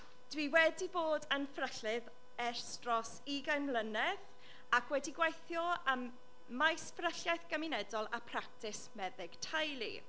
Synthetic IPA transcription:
d̥wiwɛdiboːdənfrəɬɪð | ɛr̥strɔs | iɡajnlˠənɛθ | akʰwɛdiɡwajθjɔəmː | ajsfrəɬjajθɡ̥əmɪnɛdɔlˠapʰrak̚tʰɪsmɛðɪɡ̥tʰajlˠḭ

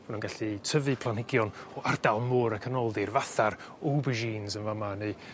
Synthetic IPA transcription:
manunɡaɬitʰəvɨpʰl̥ˠanhɪɡjɔnɔʔardalˠmʊɾəkʰənɔlˠðɪrvaθar | obəʒiːnzənvamaneɨ

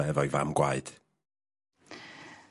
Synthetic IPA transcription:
ɛvɔjva̰mɡwa̰ɨd̥

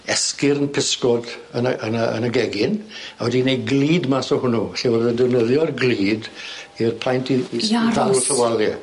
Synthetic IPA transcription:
ɛskɪɾənpʰɪskɔdənaə̰nəə̰naɡɛɡɪnawɛdinejɡliːdmasɔhʊnuɬiwɔrðəndɛwnəðjɔrɡliːdirpʰl̥ˠajntʰiidalˠɬəwalˠɛ

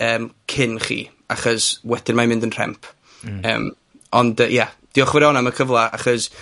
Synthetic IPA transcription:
əːmkʰɪnχḭː | aχɔswɛd̥ɪnmamɪ̃ndənr̥ɛ̰mpʰ | ə̰ːm | ɔndəjad̥iɔχvɛɾɛɔnaməkʰəvlˠaʔa̰χɔs

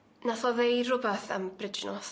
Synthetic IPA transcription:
naθɔðejrʊbɛθə̰mbrɪd͡ʒnɔs

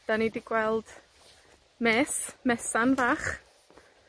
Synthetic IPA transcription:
d̥anidiɡ̥wɛlˠd̥ | mɛːsmɛsanvaːχ

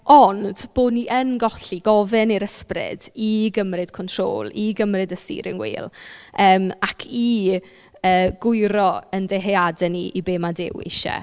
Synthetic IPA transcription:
ɔnd̥b̥oːdniʔənɡɔɬiɡɔvɨniɾəsprɪ̰d̥iɡəmrɨd̥̚kʰɔntʰro̰ːlˠiɡəmrɨdəstḭːɾɪ̰ŋwḭːlˠəːmakʰi | əːɡ̥ʊɨɾɔəndeɦɛadɛniʔibeːmadɪ̰wɪ̰ʃɛ̰

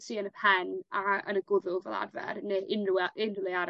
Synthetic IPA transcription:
siːənəpʰɛnaə̰nəɡʊðʊlˠvɛlˠa̰rvɛ̰ɾneʔɪnrʔɪnrlˠɛaɾ

